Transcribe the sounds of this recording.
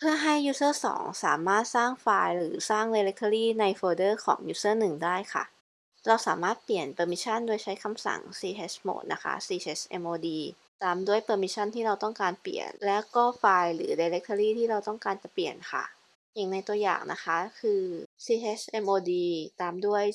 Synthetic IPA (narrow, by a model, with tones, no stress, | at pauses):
pʰɯ˥˩ɐɦa˥˩jːuː˦˥sɤː˥˩sɔ̰ː˩˦ŋsa̰ː˩˦maː˥˩t̪̚saː˥˩ŋfaː˧jɾɯː˩˦saː˥˩ŋda˧ɾe˦˥k̚t̪ʰə˧ɾiː˥˩na˧jfɤː˧dɤː˥˩kʰɔ̰ː˩˦ŋjuː˦˥sɤː˥˩nɯ˨˩ŋdaː˥˩jkʰa̰˥˩ | ɾa˧wsa̰ː˩˦maː˥˩t̪̚pli˨˩ənpɤː˧mi˦˥sʰa˥˩ndu˥˩əjt͡ɕʰa˦˥jkʰa˧msa̰˨˩˦ŋsiː˧ʔe˦˥smo̰ː˨˩t̪̚nʔa̰˦˥kʰa̰˦˥siː˧e˦˥sʔe˧mʔoː˧diː˧ | t̪aː˧mdu˥˩əjpɤː˧mi˦˥sʰa˥˩˨nt̪ʰiː˥˩ɾa˧wt̪ɔ˥˩ŋkaː˧nplḭ˨˩ənlɛː˦˥wkɔː˥˩faː˧jɾɯ̰ː˩˦da˧jɾe˦˥k̚t̪ʰːɾiː˥˩t̪ʰiː˥˩ɾa˧wt̪ɔ˥˩ŋkaː˧nt͡ɕa˨˩pli˨˩ənkʰa̰˥˩ | hi˨˩ŋna˧jt̪u˧ɐja̰ː˨˩ŋnʔa̰˦˥kʰa˦˥kʰɯː˧siː˧e˦˥sʔe˧mʔoː˧diː˧t̪aː˧mdu˥˩əj